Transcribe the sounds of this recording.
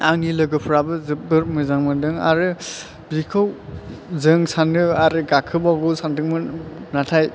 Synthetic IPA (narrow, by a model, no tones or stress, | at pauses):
aŋnilɯɡɯpʰɯɾabɯzɯbɯɾmɯzaŋmɯdɯŋa̰ɾɯ | bikʰɯwzɯŋsanɯaɾɯɡakʰɯbabusandɯŋmɯnatʰaj